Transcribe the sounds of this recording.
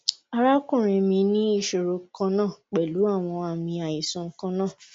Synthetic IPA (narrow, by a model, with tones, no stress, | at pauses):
a˧ɾa˦kũ˦˨ɾ̃ĩ˨mĩ˧nĩ˦i˦˨ʃo˨ɾo˧kã˧˦nãː˦˨k͡pɛ˨lu˨˦a˦˨w̃ɔ̃˧a˨mĩ˧a˨i˨sɔ̃˧ŋ̩˦kã˦nãː˦˨